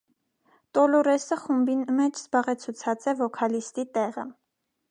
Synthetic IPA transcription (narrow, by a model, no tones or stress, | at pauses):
t̪ɔlɔɾɛsəχumbinmɛt͡ʃʰz̥bɑʁɛt͡sʰut͡sʰɑt͡sɛvɔkʰɑlist̪it̪ɛʁə̰